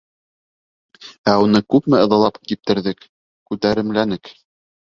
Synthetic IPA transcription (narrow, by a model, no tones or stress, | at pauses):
æunɤkʉpmɘɤ̆ðɤ̆lˠɑpkip̚t̪ɘ̆ɾðɘk | kʉt̪æɾɘ̆mlænɘk